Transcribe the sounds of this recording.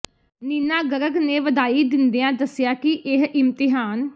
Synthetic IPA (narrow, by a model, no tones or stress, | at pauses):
niːnaːɡəɾəɡneːʋəd̪aːiːd̪ɪnd̪ejãːd̪əsɪjaːkɪʔɪɦɪmt̪ɪɦaːn